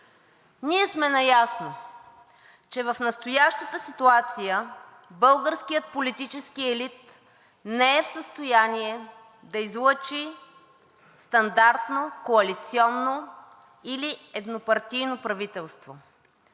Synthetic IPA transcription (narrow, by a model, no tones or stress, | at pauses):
niɛsmɛnɐjasno | t͡ʃɛvɐfnəst̪ojaʃt̪ət̪əsit̪uat̪sijə | bɤlˠɡəɾskijət̪̚polit̪it͡ʃɛskiɛlit̪ | nɛɛfsəst̪ojaniɛ | d̪ɐizlˠət͡ʃi | st̪ɐnd̪aɾt̪nokoɐlit̪siɔnːo | iliɛd̪nopɐɾt̪ijnopɾɐvit̪ɛlˠst̪vo